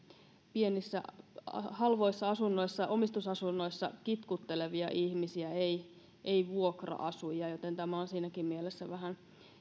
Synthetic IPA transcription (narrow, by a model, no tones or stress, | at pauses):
pie̞nisːæ̰hɑlʋo̞isːɑɑsunːo̞isːɑʔo̞mist̪usɑsunːo̞isːɑkit̪kut̪ːe̞le̞ʋiɑ̰ʔihmisiæei | ʔeiʋuokrɑ̰ʔɑsujɑjot̪e̞nt̪æmæonsiːnækimmielesːæʋæɦæn